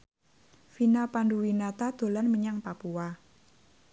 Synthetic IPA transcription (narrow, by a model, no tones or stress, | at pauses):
finalpanduwinat̪ad̪̥o̤lanməɲaŋpapua